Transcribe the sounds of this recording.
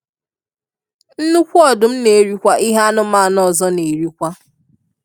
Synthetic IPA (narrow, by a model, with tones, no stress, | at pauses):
n̩˦nu˦kʷu˦ɔ˦˨dʊ˨m̩˦ne˨ɾi˦kʷa˦ʔi˦ɦa˦a˦nʊ˦ma˦˨nɔ˦˨zɔ˦ne˨ɾi˦kʷa˦